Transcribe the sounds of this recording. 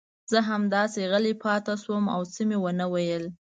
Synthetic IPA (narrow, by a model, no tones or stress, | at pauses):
z̥əɦamd̪ɑseɣəlepʰɑt̪aʃwəma̰wt͡səmewənəwajəl